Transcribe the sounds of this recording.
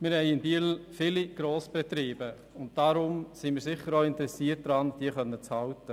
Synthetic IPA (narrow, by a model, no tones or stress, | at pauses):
mɪɾhɛɪɪnbiːlfɪliɡ̥ɾoːsb̥ɛt̪ɾiːbə | ʊnt̚d̥aɾʊmsimɪːɾsɪχːəɾoːɪntəɾɛsiət̚d̥ɾɑːnd̥iəχœnːət͡shɑltə